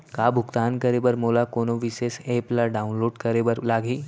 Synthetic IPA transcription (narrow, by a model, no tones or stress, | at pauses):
kabʱʊɡt̪aːnkəɾebəɾmolakonoʋiseseːplaɖaːunloːɖkəɾebəɾlaːɡʱiː